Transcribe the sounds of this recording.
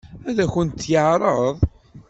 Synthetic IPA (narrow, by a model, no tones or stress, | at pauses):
æðæçənt̪ːjəʕɾˤəðˤ